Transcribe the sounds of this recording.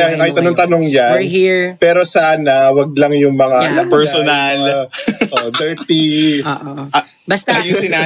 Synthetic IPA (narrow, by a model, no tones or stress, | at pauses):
jaŋkaːhɪt̪̚ʔɐnoŋt̪ɐnoŋjanhipɛːɾo̞saːnɐwɐɡ̚lɐŋjʊŋmɐŋaɐpɛɹsonalʔod̪ɛɹt̪iʔ | bɐsajusɪna